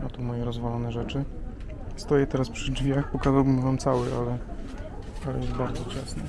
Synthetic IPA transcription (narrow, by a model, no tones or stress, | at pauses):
at̪umɔjɛɾɔzvalɔnɛʐɛt͡ʂɘ | st̪ɔjɛt̪ɛɾaspʂɘd͡ʐvʲjaxpɔkazawbɘmvamt̪sawɘʔalɛ | alɛjɛst̪̚baɾd̪zɔt͡ɕasnɛ